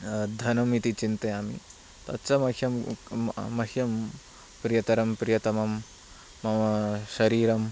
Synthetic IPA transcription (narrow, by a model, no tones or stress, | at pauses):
d̪ʱɐnɐmit̪it͡ʃint̪ɐjaːmḭ | t̪ɐtːt͡ʃɐmɐkʰjɐmː | ɐɦijɐm | pɾijɐt̪ɐɾɐmpɾijɐt̪ɐmɐmː | ɐɐʃɐɾiːɾɐm